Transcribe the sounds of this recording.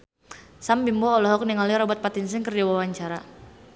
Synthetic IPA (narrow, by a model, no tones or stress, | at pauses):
sambimbɔːlɔɦɔk̚niŋaliɾɔbɔt̪̚pat̪insɪŋkərd͡ʒawawaɲt͡ʃaɾa